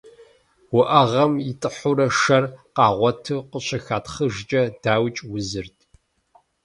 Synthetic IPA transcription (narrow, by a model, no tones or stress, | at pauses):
wʊʔɐʁɐmjɪtʼɨħʊɾɐʂɐrqɑːʁʷɔtʰɨqəɕʰɐxaːtʰχəʒt͡ʃʼɐd̥aːwt͡ʃʼwʊzɨrtʰ